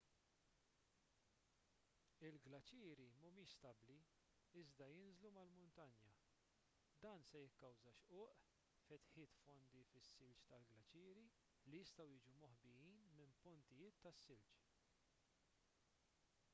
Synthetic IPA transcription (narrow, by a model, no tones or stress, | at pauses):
ɪlɡlɐt͡ʃɪːɾimʊmɪːʃst̪ɐbli | ɪzd̪ɐjɪnzlumɐlmʊnt̪ɐnjɐ | d̪ɐːnsɛjɪkːɐwzɐʃʔʊːʔ | fɛt̪ħɪːt̪fɔnd̪ifɪsːɪlt͡ʃt̪ɐlɡlɐt͡ʃɪːɾi | lijɪst̪ɐwjɪːd͡ʒumɔħbɪjiːnmɪmpʊnt̪ɪjɪːt̪ːɐsːɪlt͡ʃ